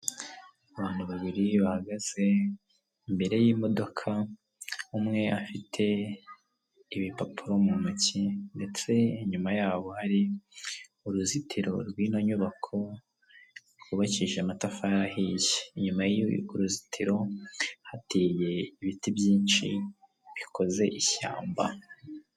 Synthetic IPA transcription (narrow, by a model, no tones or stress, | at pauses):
aβaːn̥huβaβiɾiβahaɡaz̥e̞ | imbe̞ɾe̞jiːmo̞do̞kʰa | umŋe̞ʔafitʰe̞ | βipapʰuɾo̞mumucinde̞t͡se̞iɲumajaːβo̞haɾi | uɾuzitʰiɾo̞ɾɡwiːnoɲuβakʰo̞ | ɡuβaciʒematafaɾahijeiɲumajiuɾuzitʰiɾo̞hatiːje̞iβitibjiːnt͡ʃḭ | βikʰo̞ze̞ʔiça̰ːmba̰